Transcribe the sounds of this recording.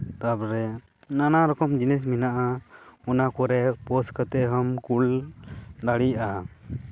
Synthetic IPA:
t̪abɾɛ | nanaɾɔkɔmd͡ʒinɛs̬minaʔaɔnakɔɾɛpɔskət̪ɛɦɔmkul | d̪aɽijaʔa

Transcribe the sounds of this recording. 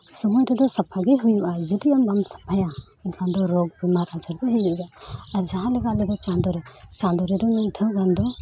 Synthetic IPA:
sɔmɔjɾɛd̪ɔsapʰaɡɛɦujuʔad͡ʒɔd̪iambamsḁpʰaja | ɛnkand̪ɔɾɔɡ̚bimaɾat͡ʃəɾd̪ɔɦɛɛʔɡaːɾd͡ʒaɦãlɛɡalɛd̪ɔt͡ʃãnd̪ɔɾɛt͡ʃãnd̪ɔɾɛd̪ɔmɛjd̪ʰʱəɡand̪ɔ

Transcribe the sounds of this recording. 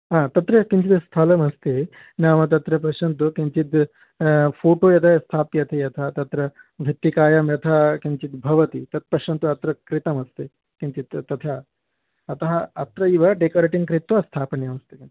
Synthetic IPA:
ãːt̪ɐt̪ɾɐkiɲt͡ʃit̪ɐst̪ʰɐlɐmɐst̪e | naːʋɐt̪̬ɐt̪ɾɐpɐʃɐnt̪̬ukint͡ʃit̪ | pʰoːʈoːjɐt̪ʰɐst̪ʰaːpjɐt̪ʰejɐt̪ʰɐt̪ɐt̪ɾɐ | ʋʱit̪ːikaːjɐmjɐt̪ʰɐkiɲt͡ʃit̪bʱɐʋɐt̪it̪ɐt̪̚pɐʂɐnt̪uɐt̪ɾɐkɾit̪ɐmɐst̪e | kiɲt͡ʃit̪ːɐt̪ʰɐː | t̪ɐɦɐɐt̪ɾɐiʋɐɖekoːɾeːʈiŋkɾit̪ʋɐst̪ʰaːpɐnjɐmɐst̪i̥kin

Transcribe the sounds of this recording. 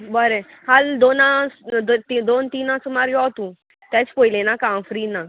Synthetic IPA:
bəɾe | hald̪onãsd̪t̪id̪ont̪iːnãsumaɾjɔt̪ũ | t̪ɛ̃t͡spojlenakãfɾiːna

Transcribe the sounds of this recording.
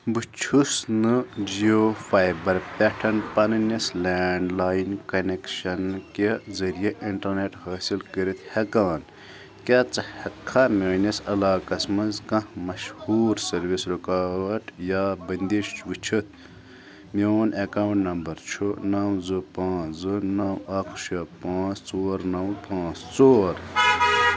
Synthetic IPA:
bɨt͡ʃʰusnɨd͡ʒijoːfajbɐɾpʲeʈʰɐnpɐnɨnʲɐslaːɳɖlaːjinkɐnekʃɐnkezɐɾijeʔiɳʈɐɾneʈhaːsilkəɾit̪hɐkaːn | kʲat͡sɐhɐkʰːamʲeːnʲɐsɐlaːkɐsmɐzkɐ̃hmɐʃhuːɾsɐɾʋisɾukaːwɐʈjaːbɐnd̪iʃʋit͡ʃʰit̪̚ʰ | mioːnɐkaːwɳʈnɐmbɐɾt͡ʃʰunɐwzɨpãːzɨnɐwɐkʰʃɐpãːt͡st͡soːɾnɐwpʰãːt͡st͡soːɾ

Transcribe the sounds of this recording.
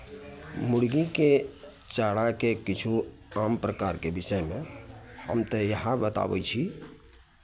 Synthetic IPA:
mʊɽɡike | t͡ʃaɽakekit͡ʃʰu | ampɾəkaɾkebisəjmẽhə̰mt̪əjəɦãbət̪a̰bɛ̰t͡ʃʰi

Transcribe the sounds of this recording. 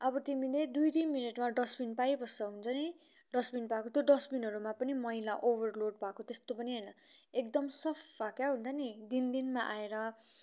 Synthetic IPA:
ʌbʌt̪imiled̪ujd̪inmineʈmaɖʌsbinpajbʌsʌɦunt͡sʰʌni | ɖʌsminpakot̪jod̪ʌsbinɦʌɾumapʌnimʌɦilaʔoβʱʌrloɽpakot̪est̪opʌniɦʌjnʌekd̪ʌmsʌpʰbakjaɦũnt̪ʰʌnid̪ind̪inmaʔaeɾʌ

